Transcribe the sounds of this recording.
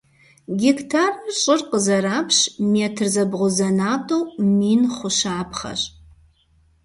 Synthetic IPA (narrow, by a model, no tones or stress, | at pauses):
ɡʲɪktʰarɕʼɪrqəzɐɾaːpʰɕmeːtʰɨrzɐbʁʷʊzɐnaːtʰʼowmiːnχʷʊʃaːpχɐ̰ɕʼ